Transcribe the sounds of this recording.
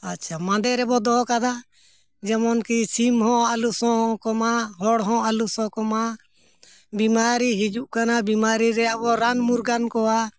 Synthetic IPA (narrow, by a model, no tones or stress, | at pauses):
atːʃʰamãd̪ɛɾɛbɔd̪ɔɦkad̪a | d͡ʒamɔnkisimɦɔ̃alusɔ̃ɦkɔmaɦɔɽɦɔ̃alusɔ̃kɔma | bimaɾiɦid͡ʒuʔkanabimaɾiɾɛjaʔbɔɾanmuɾɡankɔa